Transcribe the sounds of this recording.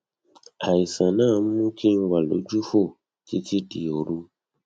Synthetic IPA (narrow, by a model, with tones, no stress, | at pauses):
a˨i˨sã˨nã˦˨˦m̩˦mũ˦ki˦ŋ̩˦wa˨lo̰˨˦d͡ʒu˦fo˦˨ | ki˦ti˦di˨o˨ɾũ˦